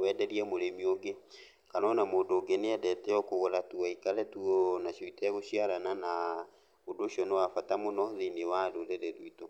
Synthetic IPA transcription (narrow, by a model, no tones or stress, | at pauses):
wɛːdɛɾiɛmoɾemioɡe | kanɔnamoːndoŋɡeneɛdɛtɛɔkoɣoɾatuaikaɾɛtuɔnaʃoitaɛɣoɕiaɾanana | odoːʃiɔnewafatamonɔðinewadoɾɛɾɛɾuito